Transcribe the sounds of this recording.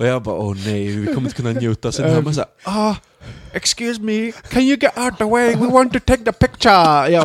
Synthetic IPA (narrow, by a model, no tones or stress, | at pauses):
ʔɔjaɪbɑ̰ːʔoːneɪvɪkʰɔməɪ̃t̪əkʰɯnːanjʉːt̪ɔsɔdɛhamas̬a̰ːɔ | ɛkskjʉːzmikʰɨ̃njɨɡɛɾaʊt̚əweɪwiwɑ̃ntɨtʰeɪk̚ðəpɪk̚t͡ʃə˞ja